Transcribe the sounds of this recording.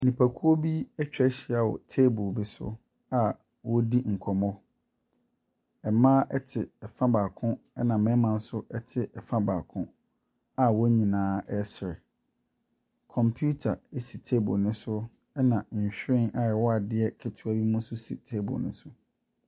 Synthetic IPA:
nĩ˨pʰa˨kʰu˦o˦bi˦ɛ˦t͡ɕᶣɛ˦ɕɪ˨a˨wɔ̰˨tʰeː˦bʊ˨bi˦sʊ̰˦ | a˨ | wɔ˦di˦ŋ̩˨kʰɔ˨mɔ˦ | ɛ˨mã˦ʔɛ˦tʰɪ˨ɛ˨fã˦baː˨kʰʊ̃˦ | ɛ˦nã˨mɛ̃˦mã˨n̩˦sʊ˦ʔɛ˦tʰɪ˨ʔɛ˨fã˦baː˨kʰʊ̃˦ | a˨wɔ˦ɲĩ˨nãː˨˦ɛ˦sɾɛ˨ | kʰɔ̃˨mpʰju˦tʰa˨e˦si˨tʰe˦bʊ̰˨nʊ̃˦sʊ˦ | ɛ˦nã˨ɲ̩˨ɕᶣɪ̃˦na˨ɛ˨wɔ˦a˨dɪ˦ɛ˦kʰɛ˨tʰu˦a˦bi˦mũ˦sʊ˦sḭ˨tʰe˦bʊ̰˨nʊ̰̃˦sʊ˦

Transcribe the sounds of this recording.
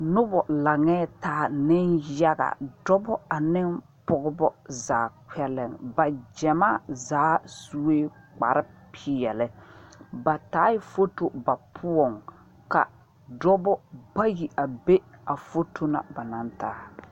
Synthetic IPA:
nʊ˦bɔ˨la˨ŋɛː˦taː˨˦nɪ˦nja˦ɡa̰˨dɔ˦bɔ˦a˨nɪ˦n | pʊ˨ɡʊ˦bɔ˦zaː˨kɛ˦lɛ˨ŋba˨d͡ʒɛ˨ma˦zaː˨˦su˦weː˦ | k͡pa̰˨ɾɪ˦pʰi˨ɛ˨lɪ˦ba˨taː˨˦jɪ˦fo˦to˦ba˨pʰʊ˦ɔ˨ŋ | ka̰˨ | dɔ˦bɔ˦ba˦ji˨ʔa˨be˦a˨fo˦tʰo˦na̰˨ba˨na˦ntaː˦

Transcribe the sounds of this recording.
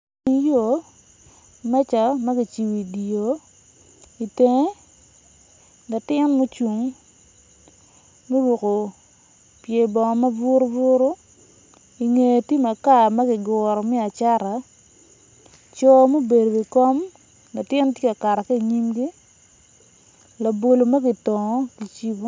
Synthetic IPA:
ŋjo˨ | mɛ˦t͡ʃa˨ma˦ɡi˨t͡ʃi˨wi˨di˨o˨ | i˨te˨ŋe˦ | na˨tɪ˦nmo˦t͡ʃu˨ŋ | me˦wu˨ko˨ | pje˨bɔ˨ŋ˨ma˦vʊ˦ɾo˦vʊ˦ɾo˦ | i˨ŋe˨ti˦ma˨ka˦˨ma˦ɡɪ˨ɡɔ˨ɾɔ˨mi˦a˨t͡ʃa˦ɾa˨ | t͡ʃɔ˨mo˦be˨do˨ɡi˨kɔ˦m | la˨tɪ˦n˦tje˦ka˨ka˨ɾa˨ke˦i˨ɲi˦mɡi˦ | la˨bo˨lo˨ma˦ɡi˨tɔ˨ŋɔ˦ki˨t͡ʃi˦bo˦

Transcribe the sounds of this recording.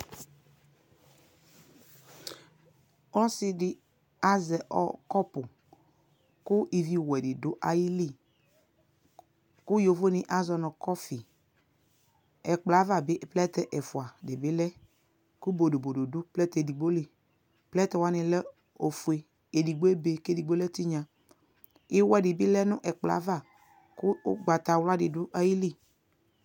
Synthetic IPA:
ɔ˦sɪ˦dɪ˦ | a˦zɛ˨ʔɔ̰˨kɔ˦pʊ˨ | kʊ˦ʔi˨vi˨wɛ˨dɪ˨dʊ˨˦ʔa˦ji˦li˦ | kʊ˦jo˨vo˦nɪ˦ʔa˦zɔ˨nɔ˨kɔ˦fi˨ | ɛ˨k͡pla˨˦va˨bɪ˦ʔplɛ˦t̪ɛ˦˨ʔɛ˨fʊ˨a˨dɪ˨bɪ˦lɛ˦ | kʊ˦bo˨do˨bo˨do˨dʊ˦plɛ˦t̪di˨ɡ͡bo˦li˨ | plɛ˦t̪ɛ˨wa˦nɪ̃˨lɛ˦ | o˨fu˨e˨ | e˨di˨ɡ͡be˦be˨ke˦di˨ɡ͡bo˦lɛ˦t̪i˦ɲã˨ | ɪ˦wɛ˨dɪ˨bɪ˦lɛ˦nʊ̃˦ʔɛ˨k͡pla̰˨˦va˦˨ | kʊ˦ɡ͡ba˨t̪a˨wla˦dɪ˨dʊ˦ʔa˦ji˦li˦

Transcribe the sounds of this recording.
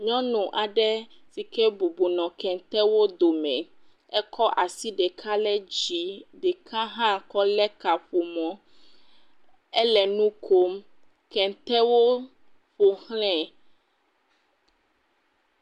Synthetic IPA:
ɲɔ̃˦nũ˨ʔa˨ɖɛ˦ | si˨kɛ˦bu˨bu˨nɔ̃˨kɛ̃˨nt̪ɛ˦wo˦d̪o˨mɛ̰̃˨ | ɛ˦kʰɔ˦ʔa˨si˦ɖɛ˨kʰa˦lɛ˦d͡ʑi˨ɖɛ˨kʰa˦ɦã˦kɔ˦lɛ˦ka˨ɸo˨mɔ̃˦ | ɛ˦lɛ˨nũ˦kʰo˦m | kɛ̃˨t̪ɛ˦wo˦ | ɸo˨hlɛ̃˦˨

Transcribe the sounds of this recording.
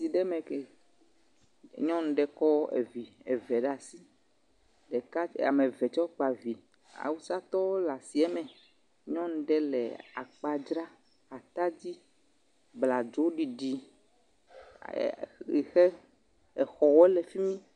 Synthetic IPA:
si˨ɖɛ˦mẽ˨ke˨ | ɲɔ̃˦ñ̩˦ɖɛ˦˨kɔ˦ḛ˨vi˨ḛ˨vɛ˨ɖa˨si˦ | ɖɛ˨ka˦a̰˨me˨vɛ˨t͡ʃɔ˦k͡pa˨vi˨ | a̰˨wu˦sa˦t̪ɔ˦la˨si˨ɛ˦mɛ̃˨ | ɲɔ̃˦ñ̩˦ɖɛ˦lɛ̰˨a̰˨k͡pa˦d͡ʒɾa˦ | a˨t̪a˦d͡ʑi˦ | bla˨d͡ʒo˨˦ɖi˨ɖi˨ | i˨xe˦ | ɛ˨xɔ˨wɔ˦ɛ˦le˨fi˦mĩ˦

